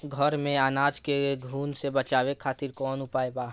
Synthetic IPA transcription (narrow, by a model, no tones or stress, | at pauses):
ɡʱɔɾmẽaːnaːd͡ʒkeɡʱuːnsebɐt͡ʃaːwekʰaːt̪ɪɾkɔːnʊpaːebaː